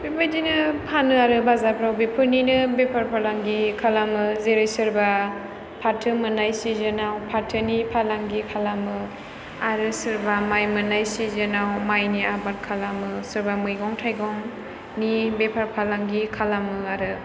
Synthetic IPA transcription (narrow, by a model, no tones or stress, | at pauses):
bepʰɯdinɯpʰanɯaɾɯbazapʰɾawbepʰɯɾninɯbepʰaɾpʰalaŋɡikʰalamɯzeɾɯjsɯɾba | pʰatʰɯmɯnajsizɯnawpʰaɾtʰɯnipʰalaŋɡikʰalamɯ | aɾɯsɯɾbamajmɯnajsizɯnawmajniabat̚kʰalamɯsɯɾbamɯjɡɔŋtʰajɡɔŋ | nibepʰaɾpʰalaŋɡikʰalamɯaɾɯ